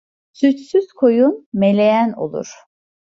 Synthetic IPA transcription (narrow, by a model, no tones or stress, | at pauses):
syt͡ʃsyz̥kʰojunmelʲejæno̞̰lˠṵɾ̥